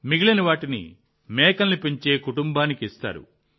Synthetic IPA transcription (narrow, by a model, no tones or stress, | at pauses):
miɡilɐniʋaːʈinḭ | mɛːkɐnːipeɲt͡ʃe̞ːkuʈumbaːnikiist̪a̰ːɾṵ